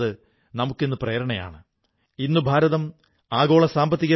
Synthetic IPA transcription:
ðɨ | nɐmukːenːupreːɾɐɳɐja̰ːɳɨ | inːubʱaːɾɐðɐm | aːɣo̞ːɭɐsaːmbɐt̪ːiɣɐ

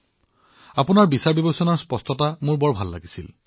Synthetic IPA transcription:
apunaɹbisaɹbibosɔnaɹspɔstʰɔtamʊɹbɔɹbʱalːa̰ɡisil

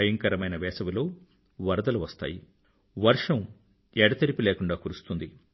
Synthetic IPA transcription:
ɐjɐŋkɐɾɐmɐjnɐʋɛːsɐʋilo̞ː | ʋɐɾɐd̪ɐluʋɐst̪a̰ːji | ʋɐɾʂɐm | ɛɽɐt̪ɐɾipileːkuɳɖaːkuɾust̪und̪i

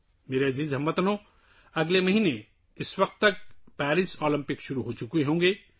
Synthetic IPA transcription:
meːɾeɐziːzɦɐmːɐt̪ɐnõ | ɐɡlemɐɦine | ɪswɐk̚t̪ːɐk̚pɛːɾisɔːlɐ̃mpɪkʃʊɾuɦoːt͡ʃukueɦõːŋɡe

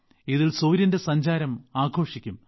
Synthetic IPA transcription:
iðilsoːɾjɐnde̞sɐɲd͡ʑaːɾɐmaːɡʱo̞ːʂikʲːum

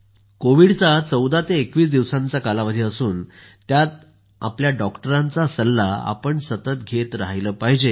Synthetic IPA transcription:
koʋiɽt͡sat͡səwd̪at̪eːkʋiːs̬d̪iʋsãnt͡sakalaʋəd̪ʱiəsuːn | t̪jat̪̚ | a̰pljaɖɔkʈəɾãnt͡sasəlːaa̰pəɳsət̪ət̪ɡʱet̪ɾaɦjləːpaɦid͡ʑe

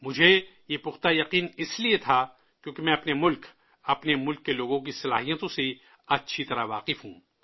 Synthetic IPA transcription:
mʊd͡ʒʱejepʊxt̪ajɐqiːnɪsliet̪ʰa | kjõːkimɛ̃ːɐpnemʊlk | ɐpnemʊlkːeloːɡõk̬isɐlaːɦijət̪õse | ɐtːʃʰit̪ɐɾaʋaːqɪfɦũː

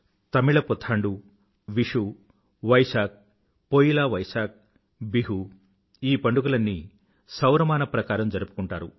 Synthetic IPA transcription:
t̪ɐmiɭɐpɔt̪ʰːaːɳɖu | ʋiʂu | ʋɐjsaːk̚ | pojilaːʋɐjsaːk̚ | biɦu | iːpɐɳɖukulɐnːi | sɐwɾɐmaːnɐpɾɐkaːɾɐmd͡ʒɐɾupu̥kuɳʈaːɾu

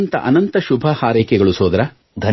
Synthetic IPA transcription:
nt̪ɐ̰ʔɐnɐnt̪ɐʃubʱɐhaːɾeːkɛɡɐɭusoːd̪ɐɾɐ | d̪ʱɐ

